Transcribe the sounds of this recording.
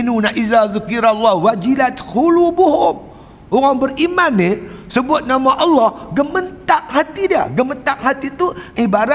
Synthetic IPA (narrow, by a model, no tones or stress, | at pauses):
inunaʔizazukiɾalːɑhwad͡ʒilat̪xulubuɦʊm | ʔoɣaŋbərimanːisəbʊt̪̚namaʔɑlːɑhɡəmənt̪aʔ̚hat̪idiə̰ɡəmət̪aʔ̚hat̪it̪uʔibaɾa